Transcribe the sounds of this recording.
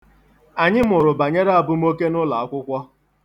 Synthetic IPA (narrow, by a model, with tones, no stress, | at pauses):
a˨ɲɪ˦m˦ʊ˨ɾʊ˨ba˨ɲe˦ɾa˦a˨bʊ˦m̩˦o˦ke˦nʊ˦la˨a˦kʷʊ˦kʷɔ˦